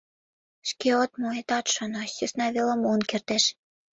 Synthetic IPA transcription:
ʃkeot̪moet̪ɑt̪ʃŏnɑʃesnɑβelə̆monkert̪æʃ

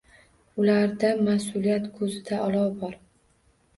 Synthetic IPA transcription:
ʊlaɾd̪amasʊlijat̪kʰɵzɪd̪aʔɒlˠɒbɒɾ

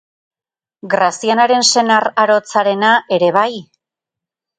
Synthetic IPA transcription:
ɡɾasianaɾe̞nse̞naraɾo̞t͡saɾe̞naʔe̞ɾe̞βaj

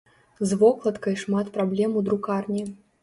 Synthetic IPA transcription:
zvɔklˠɐt̪kɐjʂmat̪pɾablʲɛmud̪ɾukarnʲɛ

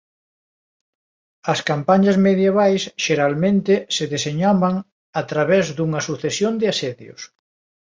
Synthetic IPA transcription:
ɐskampaɲɐzmeðjeβ̞ajsʃeɾalmẽnt̪ɪseðeseɲaβaŋ | at̪ɾaβɛzðuŋɐsuθesjond̪ɪasɛðjo̰s

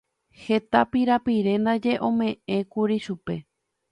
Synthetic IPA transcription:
he̞t̪apiɾapiɾe̞nd̪ad͡ʒe̞ʔõ̞mẽ̞ʔẽ̞kuɾiʃupe̞

